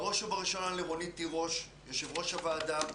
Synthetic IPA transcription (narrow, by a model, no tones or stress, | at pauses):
ʁo̞ʃubaʁiʃo̞naleʁonit̪ːiʁo̞ʃ | joʃevʁo̞ʃavaːd̪am